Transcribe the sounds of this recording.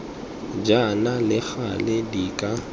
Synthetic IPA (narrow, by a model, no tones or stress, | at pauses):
d͡ʒanalɪχa̰lɪdikʼa